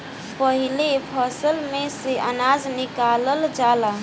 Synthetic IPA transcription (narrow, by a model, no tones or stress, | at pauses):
pəɦilepʰəsəlmeseʔə̰nad͡ʒnikaləld͡ʒala